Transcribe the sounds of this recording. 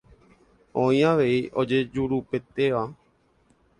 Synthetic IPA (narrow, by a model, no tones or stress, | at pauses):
õj̃ãʋeiʔod͡ʒed͡ʒuɾupet̪eʋa